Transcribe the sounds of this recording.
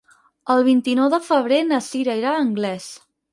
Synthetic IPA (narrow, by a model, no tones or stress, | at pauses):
əlˠβint̪inɔwðəfəβ̞ɾenəsiɾəiɾaəŋɡlɛs